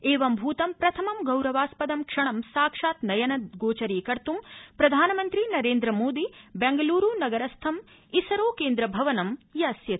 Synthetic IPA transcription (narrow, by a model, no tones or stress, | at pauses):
eːʋɐmbʱuːt̪ɐmpɾɐt̪ʰɐmɐmɡɐwɾɐʋaːspɐd̪ɐmkʂɐɳɐmsaːkʂaːt̪nɐjɐnɐd̪ɡoːt͡ʃɐɾiːkɐɾt̪umpɾɐd̪ʱaːnɐmɐnt̪ɾinɐɾeːnd̪ɾɐmoːd̪ibɛŋɡɐluːɾuːnɐɡɐɾɐst̪ʰɐm | isɐɾoːkeːnd̪ɾɐbʱɐʋɐnɐmjɐsjɐt̪